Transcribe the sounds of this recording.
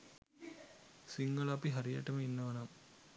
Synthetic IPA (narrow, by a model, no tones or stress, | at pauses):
sɪŋɡɐlaːpːiɦɐɾjɐ̰ʈːɐmɐɪnːɐʋɐnaːm